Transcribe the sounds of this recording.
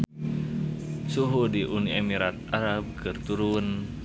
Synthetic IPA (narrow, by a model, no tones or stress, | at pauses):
suɦudiʔuniemiɾat̪̚aɾab̚kʰɨrt̪uɾun